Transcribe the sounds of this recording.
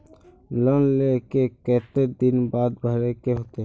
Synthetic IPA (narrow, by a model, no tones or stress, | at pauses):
lɔnlekekɛːt̪ed̪ɪnbaːd̪bʱəɾekeɦoːt̪eɦ